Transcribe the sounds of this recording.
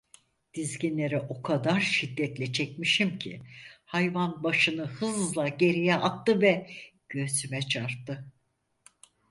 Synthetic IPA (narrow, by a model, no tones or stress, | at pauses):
d̪̥izɟinlʲe̞ɾɛʔo̞kʰad̪aɾʃid̪ːɛt̪lʲɛt͡ʃʰɛcmiʃimcʰḭhajvanbaʃɯnɯhɯzlˠaɟe̞ɾijɛʔat̪ːɯvɛɟ̥øzymɛt͡ʃʰaɾt̪ːɯ